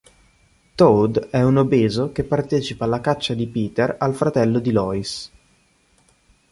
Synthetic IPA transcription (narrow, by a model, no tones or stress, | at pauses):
t̪owd̪ɛunobeːzok̟epːart̪ɛːt͡ʃipaːlːakat͡ʃːad̪ipiːt̪eralfɾat̪ɛlːod̪ilɔːis